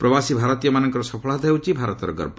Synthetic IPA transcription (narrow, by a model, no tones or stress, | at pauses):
pɾɔbasibʱaɾɔt̪ijɔmanɔŋkɔɾɔsɔpʰɔɭɦat̪ɔɦewt͡ʃʰibʱaɾɔt̪ɔɾɔɡɔ̰ɾbɔ